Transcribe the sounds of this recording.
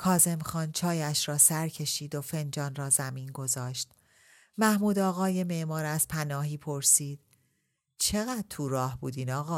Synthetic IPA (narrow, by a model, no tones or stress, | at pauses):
kʰɒːze̞mxɒːnt͡ʃʰɒːjæʃɾɒːsæɾcʰe̞ʃiːd̪ofe̞nd͡ʒɒːnrɒːzæmiːnɡo̞zɒːʃt̪ | mæhmuːd̪ɒːɣɒːjeme̞ʔmɒːɾæz̥pʰænɒːɦiːpʰo̞ɾsiːd̪̥ | t͡ʃʰe̞ɣæːd̪̥̚t̪ʰuɾɒːhbuːd̪iːnɒːɣɒː